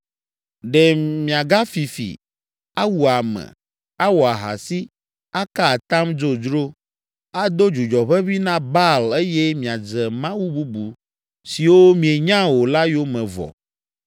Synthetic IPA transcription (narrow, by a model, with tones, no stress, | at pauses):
ɖɛ˨mĩ˨a˨ɡa˦fi˨fḭ˨ | a˦wu˨a˨mɛ̰̃˨ | a˦wo˨a˨ɦa̰˨si˦ | a˦ka˦a˨t̪a˦md͡ʒo˦d͡ʒɾo˦ | a˦d̪o˦d͡ʒu˨d͡ʒɔ˨ɸɛ˦βi˦nã˦ba˦le˦jɛ˦mĩ˨a˨d͡zɛ˨mã˦wu˦bu˦bu˨ | si˨wo˦mĩ˨e˨ɲã˦wo˨la˦jo˦mɛ̃˨vɔ̰˨